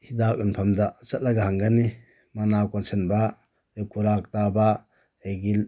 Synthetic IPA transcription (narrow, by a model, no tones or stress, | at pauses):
hidak̚ɯnpʰamdasɐt̚laɡahaŋɡani | manakɔnsʰenba | ekuɾak̚taba | eɡil